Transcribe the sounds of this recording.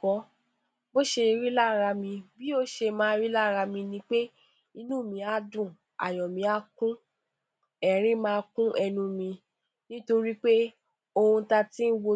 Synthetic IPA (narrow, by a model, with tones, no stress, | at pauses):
kɔ˨˦ | bo˦ʃe˧ɾi˦la˦˨ɾa˧mĩ˧bi˦o˦ʃe˧mãː˦ɾi˦la˦˨ɾa˧mĩ˧nĩ˧˦k͡pe˦ | i˧nũ˦˨mĩ˧˦a˨˧˦dũ˦˨ | a̰˨j̃ɔ̃˨mĩ˧˦a˧˦kũ˦ | ɛ˨ɾ̃ĩ˦mãː˦˧kũ˦ʔɛ˧nũ˧mĩ˧ | nĩ˦to˧ɾi˦k͡pe˦ | o˧hũ˧ta˧ti˦n̩˦wo˧